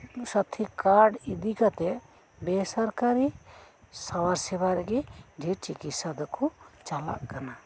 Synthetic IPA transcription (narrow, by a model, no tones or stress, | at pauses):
sət̪ʰikaɾɖid̪ikat̪ɛ | bɛsaɾkaɾi | sawaɾsɛbaɾɛɡɛɖʱit͡ʃikit̪sad̪kɔt͡ʃala̰ʔkana